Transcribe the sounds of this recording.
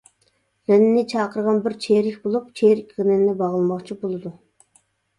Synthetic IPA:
ɾɛnːɪnɪt͡ʃʰɑːqəɾʁɑnbɪɾt͡ʃʰeɾɪkʲbolˠup̚t͡ʃʰeɾɪkʲʁɪnɛnnɛbɑʁəlˠmɑχt͡ʃʰibolˠɨd̪u

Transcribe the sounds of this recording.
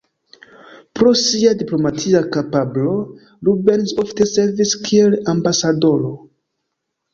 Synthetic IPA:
pɾo̞siadiplo̞matʰiakapablo̞ | lube̞nso̞fte̞se̞ɾviskʰielambasado̞ɾo̞

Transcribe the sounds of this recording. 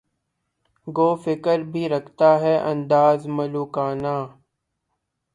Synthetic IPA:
ɡoːfɪkəɾbʱiːɾəkʰt̪aːɦɛːʔə̃nd̪aːzməluːkaːnaː

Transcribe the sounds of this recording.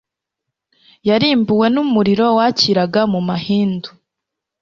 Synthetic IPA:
jaɾiːmbuwe̞numuɾiɾo̞waciɾaɡamumahiːndu

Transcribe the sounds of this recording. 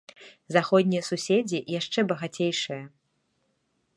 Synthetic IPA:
zaxɔd̪ʲnʲijɐsusʲed͡zʲijaʂt͡ʂɛbɐɣat͡sʲejʂɨjɐ

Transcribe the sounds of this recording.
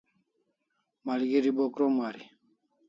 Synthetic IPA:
maliɡeɾibɔkɾɔmaɾi

